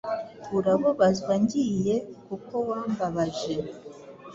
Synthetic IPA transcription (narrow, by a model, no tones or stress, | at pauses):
uɾaβoβazwaɲɟijekuko̞waːmbaβaʒe̞